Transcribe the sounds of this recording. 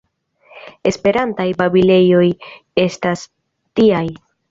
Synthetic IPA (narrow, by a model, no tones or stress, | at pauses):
e̞spe̞ɾantajbabile̞jo̞je̞stas | tiaj